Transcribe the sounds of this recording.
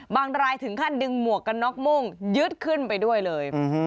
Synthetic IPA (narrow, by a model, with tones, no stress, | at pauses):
baː˧ŋɾaː˧jt̪ʰɯ˩˦ŋkʰa˥˩ndɯ˧ŋmu˨˩əkːa˧nːɔ˦˥k̚mo˥˩ŋjɯ˦˥t̪̚kʰɯ˥˩npa˧jdu˥˩əjlɤː˧j